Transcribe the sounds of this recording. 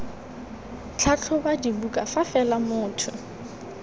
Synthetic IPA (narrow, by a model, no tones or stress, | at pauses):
t͡ɬʰat͡ɬʰʊbadibukʼafafɛlamʊːtʰʊ